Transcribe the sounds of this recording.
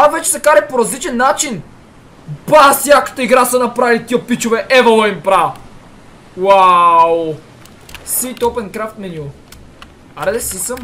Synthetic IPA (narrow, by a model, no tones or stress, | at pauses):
avɛt͡ʃɛ̥sɛkaɾɛpoɾɐzlit͡ʃɛnːat͡ʃin | basjakə̥t̪əiɡɾasənɐpɾavilit̪iəpit͡ʃovɛʔɛvɐlˠɐimpɾa | waw | sit̪opɛnkɾaft̪mɛnʲulˠ | ɐɾɛd̪ɛsisəm